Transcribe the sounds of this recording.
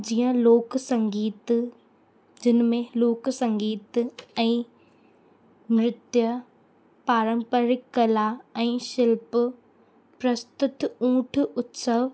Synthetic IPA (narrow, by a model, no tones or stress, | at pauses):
d͡ʑiːə̃loːksɐ̃ŋɡiːt̪ | d͡ʑɪnmẽloːksɐ̃ŋɡiːt̪ɛ̃ː | mɾɪt̪jə | paːɾə̃mpəɾɪkːɐlaɛ̃ːʃɪlp | pɾɐst̪ʊt̪ũːʈʰʊt̪səʋ